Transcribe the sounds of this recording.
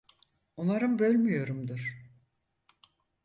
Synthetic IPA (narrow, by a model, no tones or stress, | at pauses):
onaɾɯmbø̞lʲmyjo̞ɾumd̪ɯɾ̥